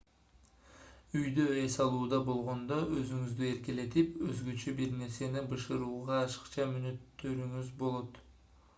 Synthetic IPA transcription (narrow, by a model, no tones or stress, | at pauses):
yjd̪øesɑlˠuːd̪ɑbo̞lˠʁo̞nd̪oøzyŋyzd̪ye̞ɾkʲele̞t̪ipøzɡøt͡ʃebiɾne̞ɾse̞nɪbɯʃɯɾuːʁɑːʃə̥qt͡ʃʰɑmynøt̪ːø̞ɾyŋyzbo̞lˠo̞t̪